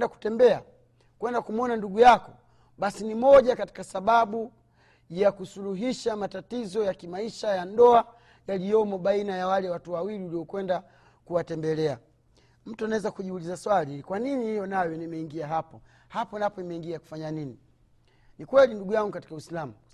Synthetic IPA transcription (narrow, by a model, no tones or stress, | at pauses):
daku̥tɛmbɛa | kwɛndakumɔnanduɡujakɔ | ɓasinimɔʄakati̥kasaɓaɓu | jakusuluɦiʃamatatizɔjakimaiʃajandɔa | jaliɔmɔɓainajawalɛwatuwawiliwliɔkwɛnda | kuwatɛmbɛlɛa | m̩tuanawɛzakuʄiulizaswalikwaninihijɔnajɔnimɛiŋɡiaɦapɔ | hapɔnapɔimɛiŋɡiaku̥faɲanini | nikwɛlinduɡujaŋɡukati̥kawislamu